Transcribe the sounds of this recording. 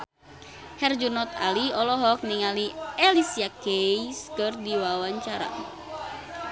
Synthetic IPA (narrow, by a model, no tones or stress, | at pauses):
hɛrd͡ʒunɔt̪aliɔlɔɦɔk̚niŋaliɛlisiakejskərdiwawaɲt͡ʃaɾa̰